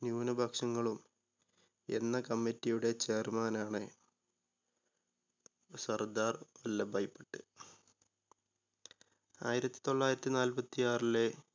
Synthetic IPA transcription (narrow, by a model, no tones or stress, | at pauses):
njuːnɐbʱɐkʂɐŋːɐɭum | e̞̰nːɐkɐmːitːijuɽe̞t͡ɕeːrmaːnaːɳɨ | sɐrd̪aːrɐlːɐbʱɐjpːɐʈːɨ | aːjiɾɐt̪ːi̥t̪o̞ɭːaːjiɾɐt̪ːinaːlpɐt̪ːijaːrile